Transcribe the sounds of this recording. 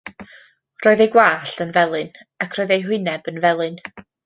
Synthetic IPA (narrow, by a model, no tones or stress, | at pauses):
roːɨðejɡwaːɬənvɛlˠɨn | akʰroːɨðejɦwɪnɛbənvɛlˠɨn